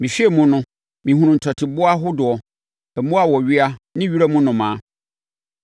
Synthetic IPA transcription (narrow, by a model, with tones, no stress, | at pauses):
mĩ˨ɕᶣi˦e˨mũ˦nʊ̃˦ | mĩ˨ɦũ˨˦nʊ̃˨n̩˨tʰɔ˨tʰɪ˨bʊ˦a˦ɦʊ˦dʊ˨ɔ˨ | ɛ˨mũ˦a˦wɔ˨ɥɪ˦a˦nɪ̃˦ɥi˦ɾa˦mũ˦nʊ̃˨mãː˦